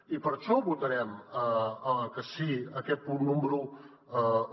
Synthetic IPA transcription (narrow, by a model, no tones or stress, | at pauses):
ipɐɾt͡ʃobut̪ɐɾɛm | kɐsiɐket̪̚punũmbɾu